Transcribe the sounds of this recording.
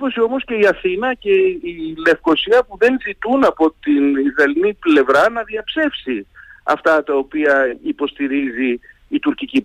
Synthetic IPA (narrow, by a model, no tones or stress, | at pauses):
po̞sio̞mo̞sce̞iɐθinɐce̞ile̞fko̞siɐpuðe̞nzit̪unɐpo̞t̪inizðɐliniple̞vɾɐnɐðiɐpse̞fsiɐ̰ft̪ɐt̪ɐopiɐipo̞st̪iɾiziː | t̪uɾcici